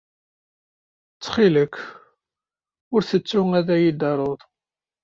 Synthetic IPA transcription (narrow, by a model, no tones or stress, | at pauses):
t͡sːχiləkː | ʊɾθət͡sːʊŋæðæjid̪ɑɾˤoðˤ